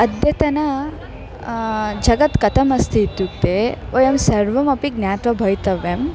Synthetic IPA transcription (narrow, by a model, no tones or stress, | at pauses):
ɐd̪jɐt̪ɐnɐ | d͡ʒɐɡɐt̪kɐt̪ʰɐmɐst̪ʰiːt̪juk̚t̪eojɐmsɐɾʋɐmɐpiɡ̚njaːt̪ʋɐbʱɐjt̪ɐʋem